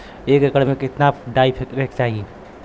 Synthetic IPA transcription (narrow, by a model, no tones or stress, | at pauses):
ekekəɾmekɪt̪naɖaipʰekɾekt͡ʃaɦi